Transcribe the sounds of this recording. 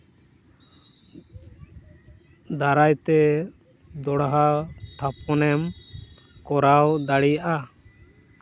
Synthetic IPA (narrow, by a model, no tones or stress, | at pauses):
d̪aɾajt̪ɛ | d̪ɔɽaɦat̪ʰapɔnɛm | kɔɾawd̪aɽijaʔa